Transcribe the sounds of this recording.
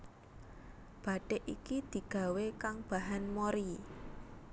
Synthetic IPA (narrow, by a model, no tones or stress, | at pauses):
b̥a̤ɖ̥eʔḭkid̪̥i̤ɡ̥a̤wekaŋb̥a̤ɦanmoɾi